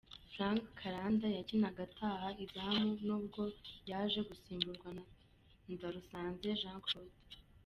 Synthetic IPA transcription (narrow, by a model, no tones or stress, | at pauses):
fɾãːŋkkʰːaɾaːndajacinaɡatʰaːhaizaamunuːb̚ɡo̞jaːʒe̞ɡusiːmbuɾɡwa | ndaɾusaːnze̞ʒãːŋkɾot